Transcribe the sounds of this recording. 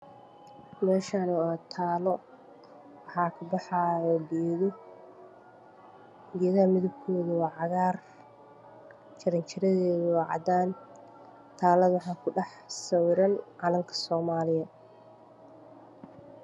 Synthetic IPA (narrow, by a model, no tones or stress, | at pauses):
mɛːʃaːnuaːt̪ʰaːlɔ | wɑħɑːkʰɐbɑħaɔːɡiðɔ | ɡɛːðɐhɐmɪðʊb̚kʰɔːðɐwɑːʕɑɣaːr | t͡ʃɐɾɐnt͡ʃʰɪɾɐðɛːðɔːʕɑ̰d̪aːn | t̪ʰaːlɐðwɑħɑːkʰʊɖɑħ | sɐwɾɐnʕɑlɐŋkʰɐ̥sɔːmaːlɪjɐ